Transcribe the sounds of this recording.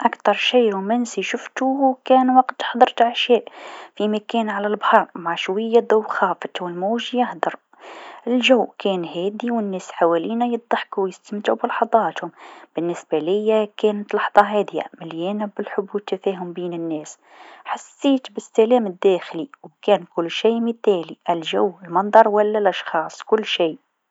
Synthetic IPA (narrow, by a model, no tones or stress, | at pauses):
ʔakt̪ɑɾˤʃiːɾumænsiʃʊft̪uwkæːnwɑqt̪ħd̪ˤəɾt̪ʕaʃæːʔfimækæːnʕalælbhɑɾˤmaʕʃwajːad̪ʊwxɑːfət̪wɪlmuːʒjahd̪ɑɾˤ | ɪlʒæwːkæːnhæːd̪iwɪnːæːsħawæliːnajɨd̪̚ˤːɑħkuwjɪst̪əmt̪ʕublɑħɑd̪ˤɑːt̪hʊmb̥ɪnːɪsbælɪjːakæːnət̪lɑħd̪ˤɑɦæːd̪ja̰mɪljɛːnæbɪlħʊbuːt̪ːæfæːɦʊmbiːnɪnːæːs | ħasːiːt̪bɪsːælæːmɪd̪ːæːxliwkæːnkʊlːʃiːməθæːliʔɪlʒæwːɪlmɑnd̪ˤɑɾˤwælːælʔɑʃxɑːsˤkʊlːʃiː